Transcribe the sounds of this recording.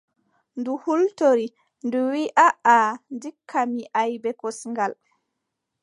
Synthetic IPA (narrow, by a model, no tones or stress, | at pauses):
nduhultoɾi | nduwiʔaandikʰːamiʔajbɛkɔsŋɡal